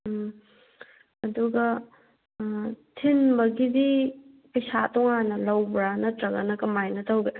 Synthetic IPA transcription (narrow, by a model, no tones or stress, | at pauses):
ɐduɡɐ | tʰinbɐɡidi | pɐjsatɔŋanɐlɐwbɾanɐtɾɐɡɐ̰nɐkɐmajnɐtʰɐwɡe